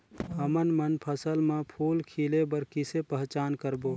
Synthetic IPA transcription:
ɦəmənmənpʰəsəlmẽpʰuːlkʰiːlebəɾkisepəɦt͡ʃaːnkəɾboː

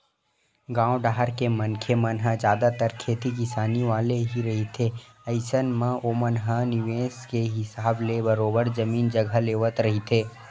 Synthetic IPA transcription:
ɡãːwɖaːɦəɾkemɐnkʰemɐnɦəd͡ʒjaːd̪at̪əɾkʰeːt̪ikɪsaːniʋaːleɦiɾɐɦit̪ʰe | əɪsənmãoːmənɦənɪʋeːskeɦɪsaːblebəɾoːbəɾd͡ʒɐmiːnd͡ʒɐɡʱəleːʋət̪ɾɐɦit̪ʰeː

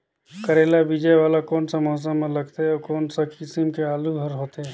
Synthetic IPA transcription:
kəɾelabid͡ʒɛjʋaːlakɔːnsə̃mɔɦs̬ə̃mẽləɡt̪eɔkoːnsəkɪsimkeaːluɦəɾɦoːt̪ɦe

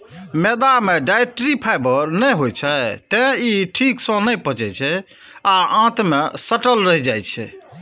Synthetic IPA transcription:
med̪ameɖajʈɾipʰajbəɾnəjɦot͡ʃʰɛt̪ɛ̃iʈʰiksə̃nəjpət͡ʃɛt͡ʃʰɛ | aãt̪mesəʈəlɾəɦid͡ʒajt͡ʃʰɛ̰

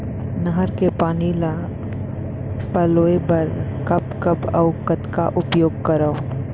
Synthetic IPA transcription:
nɐɦəɾkepaːnila | pɐloːebɐɾkɐpkɐbɐ̰ʊkət̪ka̰ʔʊpjoːɡ̚kɐɾəo

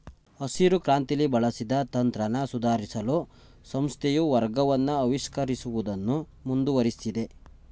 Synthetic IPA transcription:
ɐsiɾukɾaːnt̪ilibɐɭɐsid̪ɐt̪ɐnt̪ɾɐnɐsud̪ʱaːɾisɐlu | sɐmst̪ʰejuʋɐɾɡɐʋɐnːuɐʋiʃkɐɾisuʋud̪ɐnːu | mund̪uʋɐɾisid̪e̞

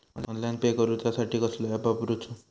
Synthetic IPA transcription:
ɔnɔnlajnpekɔɾut̪jasaʈʰikʌslapapɾut͡ʃʰu

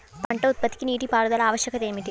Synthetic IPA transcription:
p̪ɐɳʈɐut̪̚pɐt̪i̥kiniːʈipaːɽud̪ɐlɐaːʋɐʃjɐkɐt̪e̞ːmiʈi

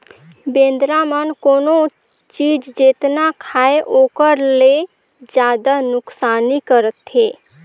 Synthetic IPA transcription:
bẽnd̪ɾamənkoːno | t͡ʃid͡ʒd͡ʒet̪nakʰaeʔokəɾle | d͡ʒjad̪anʊksanikəɾət̪ɦe

